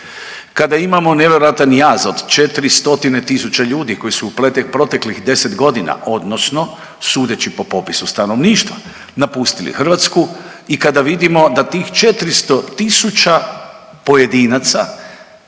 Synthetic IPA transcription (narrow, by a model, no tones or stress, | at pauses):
kad̪aimamo̞neʋjeɾoat̪anjazod̪t͡ʃe̞t̪ɾist̪o̞t̪ine̞t̪isut͡ɕaʎuːd̪iko̞jisuuplet̪ekpɾo̞t̪e̞klixd̪e̞se̞t̪ɡo̞d̪ina̰ʔo̞d̪no̞sno̞ | suːd̪e̞t͡ɕipo̞po̞pisust̪ano̞ʋniːʃt̪ʋa | napust̪ilḭxr̩ʋat̪sku | ikad̪aʋid̪imo̞d̪at̪iːxt͡ʃe̞t̪ɾist̪o̞t̪isut͡ʃa | po̞je̞d̪iːnat̪sa